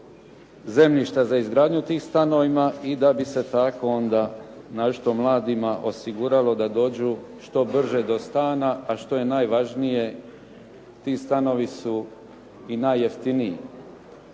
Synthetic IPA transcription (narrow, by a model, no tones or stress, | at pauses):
ze̞mliʃt̪azaizɡɾaːd̪ɲut̪iːmst̪ano̞ʋimaid̪abise̞t̪ako̞ond̪a | naʃt̪o̞mlˠaːd̪imaʔo̞siɡuːɾalo̞d̪ad̪o̞ːd͡ʑuʃt̪o̞br̩ʒe̞d̪o̞st̪aːnaaʃt̪o̞je̞naːjʋaʒnije̞ | t̪iːst̪ano̞ʋisu | inajːe̞ft̪iniji